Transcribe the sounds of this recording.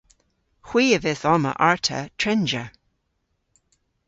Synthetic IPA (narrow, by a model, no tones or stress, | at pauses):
xw̥iːəvɪθɔmə̰ʔaɹtʰə̰tʰɹɛnd͡ʒə̰